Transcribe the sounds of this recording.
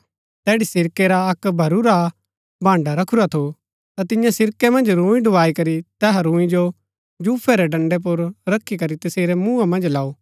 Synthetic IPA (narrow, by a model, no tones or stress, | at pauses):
t̪ɛːɽisɪɾkeɾaɐkbʱɐɾuɾa | bʱãːɳɖaɾɐkʰuɾat̪ʰo | t̪at̪ɪ̃jãsɪɾkemɐ̃nd͡ʒɾũːĩɖʊʋaːikɐɾit̪ɛːɦaɾũːĩd͡ʒo | d͡ʒuːpʰɛɾɛɖɐ̃ɳɖɛp̬ʊɾɾɐkʰːikɐɾit̪ɐseːɾɛmũːãmɐ̃nd͡ʒlaːoː